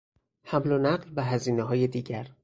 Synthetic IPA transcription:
hæmlonæɢlvæɦæziːneɦɒːjed̪iːɟæɾ

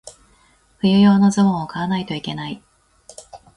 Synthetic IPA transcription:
ɸɯ̟jɯ̟jo̞ːno̞zõokaanait̪o̞ike̞nai

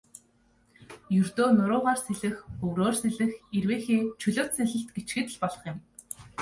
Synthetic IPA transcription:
jɵrt̪oːnʊɾʊːʁaːrseɮɘ̆xɵwɾoːrseɮɘ̆xerweːxeːt͡ɕʰɵɮoːt̪seɮɘ̆ɬt̪ɡet͡ɕɡɘ̆t̪ɘ̆ɮpɔɮɞ̆χjɪ̆m

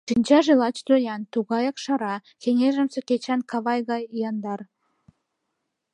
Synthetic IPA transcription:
ʃinʲt͡ɕɑʒelˠɑt͡ɕd̪ojɑnt̪uɣɑjɑqʃɑɾɑ | kʲeŋeʒə̆msĕkʲet͡ɕɑnkɑβɑjɣɑjijɑnd̪ɑr

